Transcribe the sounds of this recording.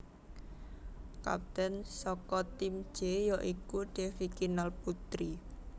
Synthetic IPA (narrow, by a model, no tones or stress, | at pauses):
ka̰p̚t̪ɛnsɔkɔt̪imd̥ʒ̥ejɔʔikuɖ̥efikinalput̪ɾi